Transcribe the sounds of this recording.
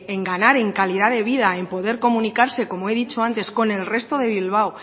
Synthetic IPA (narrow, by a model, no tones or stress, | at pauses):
e̞ŋɡanaɾe̞ŋkaliðaðe̞β̞ið̞aempo̞ðe̞ɾko̞mũnikaɾse̞ko̞moe̞ðit͡ʃo̞ant̪e̞sko̞ne̞lre̞st̪o̞ðe̞β̞ilβ̞aw